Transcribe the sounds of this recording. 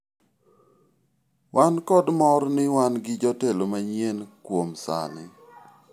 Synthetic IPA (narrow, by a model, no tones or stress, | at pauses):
wankɔdmɔrnɪwanɡɪd͡ʒɔtelomaɲenkwomsa̰lɪ̰